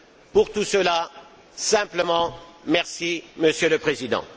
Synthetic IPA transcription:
puʁt̪usəla | sɛ̃pləmɑ̃mɛʁsiməsjøləpχezid̪ɑ̰̃

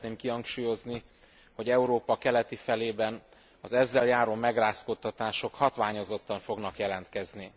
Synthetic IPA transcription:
t̪neːmkiɦɒŋkʃuːjo̞zni | ho̞ɟɛuɾoːpɒkɛlɛt̪ifɛleːbɛn | ɒzɛzːɛljaːɾoːmɛɡraːskot̪ːɒt̪aːʃo̞khɒt̪ʋaːɲo̞zo̞t̪ːɒɱfo̞ɡnɒkjɛlɛnt̪kɛzni

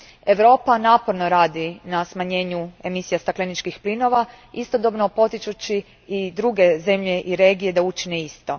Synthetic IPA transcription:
e̞ʋɾo̞ːpanaːpoɾno̞ɾaːd̪inasmaɲe̞ːɲue̞misijast̪aklenit͡ʃkixplino̞ʋa | ist̪o̞d̪o̞bno̞po̞t̪it͡ʃut͡ɕiː | d̪ɾuɡe̞ze̞mʎe̞ʔiɾe̞ːɡije̞d̪aut͡ʃineist̪o̞

